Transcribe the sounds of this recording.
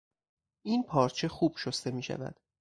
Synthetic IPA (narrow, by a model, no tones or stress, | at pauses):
ʔiːnpʰɒːɾt͡ʃʰe̞xuːb̥ʃost̪e̞miːʃæ̰væ̰d̪̥